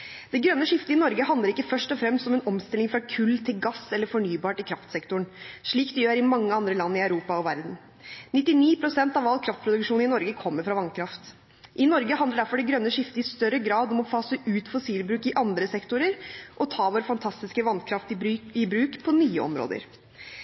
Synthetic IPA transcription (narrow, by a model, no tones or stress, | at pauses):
d̪̥ɛɡɾœnːəʂɪft̪əɪnɔɾɡəɦɑnd̪ləɾɪkːəfœʂʈɔfɾɛmst̪ɔmɛnɔmst̪ɪlɪŋfɾɑkʰʉlːt̪ʰɪlɡɑsɛlːəɾfɔɳyːbɑːʈɪkʰɾɑft̪sɛkt̪ʊɳʂɭiːkd̪ɛjøːɾɪmɑŋːəɑnd̪ɾəlɑnːɪæʉɾuːpɑɔʋæɾd̪n̩ | nɪt̪ːɪniːpʰɾʊsɛnt̪ɑʋɑlkʰɾɑft̪̚pɾʊd̪ʉkʂuːnɪnɔɾɡəkʰɔmːəɾfɾɑʋɑnkʰɾɑft̪ | ʔɪnɔɾɡəɦɑnd̪əɖæɾfɔɖɛɡɾœnːəʂɪft̪əɪst̪œɾəɡɾɑːd̪ɔmɔfɑːsəʔʉːt̪fɔsiːlbɾʉːkɪʔɑnd̪ɾəsɛkt̪ʊɾəɾʔɔt̪ʰɑːʋoːɾəfɑnt̪ʰɑst̪ɪskəʋɑnkʰɾɑft̪ɪbɾʉːkpʰɔnyːəɔ̰mɾo̰ːd̪ə̰ɾ